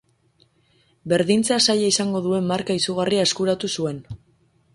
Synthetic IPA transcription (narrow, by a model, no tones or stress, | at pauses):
be̞ɾðint͡sasajaisaŋɡo̞ðue̞mːaɾkaisuɣ̞ariae̞skuɾat̪usue̞n